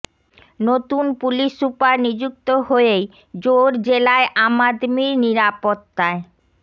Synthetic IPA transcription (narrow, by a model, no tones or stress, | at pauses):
not̪unpuliʃupaɾnid͡ʑuk̚t̪oɦoeej | d͡ʑoɾd͡ʑelaeʔamad̪miɾniɾapot̪ːae